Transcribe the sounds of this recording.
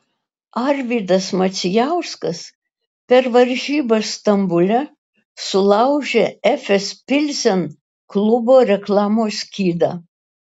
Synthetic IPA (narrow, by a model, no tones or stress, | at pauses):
ɐɾʲʋʲiːd̪ɐsmɐt̪sʲɪjæʊskɐs | pʲɛɾʋɐɾʲʒʲiːbɐst̪ɐmbʊlʲɛ | sʊlˠɐʊʒʲeɛfʲɛspʲɪlʲsʲɛn | klˠʊboːɾʲɛklˠɑːmoːsʲkʲiːd̪ɑː